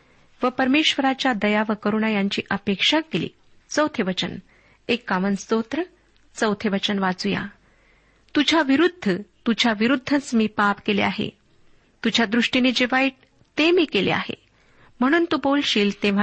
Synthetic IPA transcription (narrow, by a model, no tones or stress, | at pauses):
ʋəpəɾmeɕʋəɾat͡ɕjad̪əjaʋəkəɾuːɳajaɲt͡ɕiːʔəpekʂakelḭː | t͡səwt̪ʰjeʋət͡ɕən | ekːaʋənst̪ot̪ɾə | t͡səwt̪ʰeʋət͡ɕənʋad͡zuja̰ | t̪ud͡ʑʱaʋiɾud̪ʱːət̪ud͡ʑʱaʋiɾud̪ʱːət͡smiːpapkelḛaɦḛ | t̪ud͡ʑʱjad̪ɾuʂʈiniːd͡ʑeʋaiʈ̚ | t̪emiːkelḛa̰hḛ | m̤əɽ̃uːnt̪ubolɕiːlt̪eʋ̤a